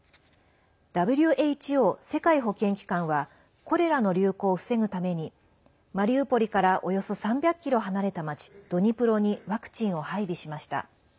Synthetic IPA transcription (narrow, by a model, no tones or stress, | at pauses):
d̪̥abɯ̟ɾʲɯ̟ʔe̞it͡ɕio̞ːse̞kaiɦo̞kẽ̞ŋkʲi̥kãɰ̃βa | ko̞ɾe̞ɾano̞ɾʲɨːko̞ːɸɯ̟̥se̞ŋɯ̟t̪ame̞ɲ̟i | maɾʲiɯpo̞ɾʲikaɾaʔo̞jo̞so̞sãmbʲakʲːiɾo̞ɦanaɾe̞t̪amat͡ɕi̥d̪̥o̞ɲ̟ipɯ̟ɾo̞ɲ̟iβakɯ̟̥t͡ɕĩɰ̃o̞haibʲiɕimaɕi̥t̪a̰